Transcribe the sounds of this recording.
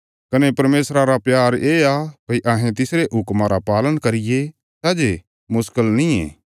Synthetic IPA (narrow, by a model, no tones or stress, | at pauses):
kɐnepɐɾmeːsɾaɾapjaːɾeːakɐʔaːɦẽt̪ɪsɾeʔɦʊkmãɾapaːlənkɐɾɪje | saːd͡ʒe | mʊskəlnĩḛ̃ː